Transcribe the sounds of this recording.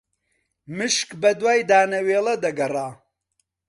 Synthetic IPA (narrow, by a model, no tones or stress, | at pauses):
mɨʃkbɐd̪waːjd̪aːnɐweːlɐd̪ɐɡɐraː